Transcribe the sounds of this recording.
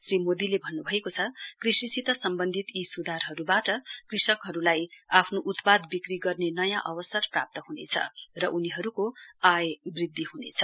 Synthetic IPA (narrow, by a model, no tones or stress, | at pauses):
srimod̪ilebʱʌnːubʱʌekot͡sʰʌkrisisit̪ʌsʌmbʌnd̪ʱit̪isud̪ʱarɦʌɾubaʈʌkrisʌkɦʌɾulajapʰnoʔut̪pad̪bikriɡʌrnenʌjãʔʌbʌsʌrpra̰p̚t̪ʌɦunḛt͡sʰʌ̰rʌʔuniɦʌɾukoajbrid̪ʱːiɦunḛt͡sʰʌ̥